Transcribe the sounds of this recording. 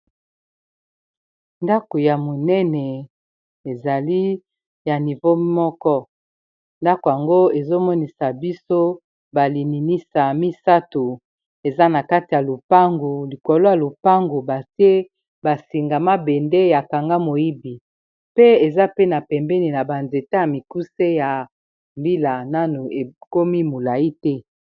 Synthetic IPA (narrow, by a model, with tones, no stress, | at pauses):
nda˦ko˨ja˨mo˨nɛ˦nɛ˨ | e˨za˨li˦ | ja˨ni˨vo˦mɔ˦kɔ˦ | nda˦ko˨ja˨ŋɡo˦e˨zo˦mɔ˦ni˨sa˨bi˦so˦ | ba˨li˨ni˨ni˦sa˨mi˦sa˦tu˨ | e˨za˦na˨ka˦ti˨ja˨lo˨pa˦ŋɡu˨li˨ko˨lo˦ja˨lo˨pa˦ŋɡu˨ba˨sje˦ | ba˨si˨ŋɡa˨ma˦be˨nde˦ja˨ka˨ŋɡa˦mo˨i˦bi˨ | pe˦e˨za˦pe˦na˨pɛ˨mbɛ˦ni˨na˨ba˨nze˨ta˦ja˨mi˨ku˦se˦ja˨ | mbi˦la˨na˦nu˨e˨ko˦mi˦mo˨la˨i˦tɛ˦